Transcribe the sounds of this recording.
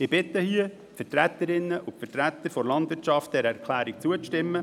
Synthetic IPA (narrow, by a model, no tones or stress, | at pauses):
ɪb̥ɪt̪ːəhiə | fətɾæt̪ːəɾɪnːəʔʊfətɾæt̪ːəɾfɔɾlɑndʋɪrt͡ʃɑft̚d̪ɛɾɛɾkʰlæːɾik̚t͡suət͡stɪmːə